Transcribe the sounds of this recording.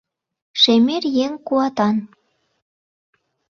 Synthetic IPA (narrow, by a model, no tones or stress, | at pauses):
ʃemerjeŋkuɑt̪ɑn